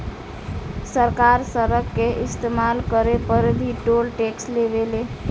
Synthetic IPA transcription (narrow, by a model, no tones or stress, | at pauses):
səɾkaɾsəɾəkːeʔɪst̪emalkəɾepəɾbʱiʈolʈeksleʋele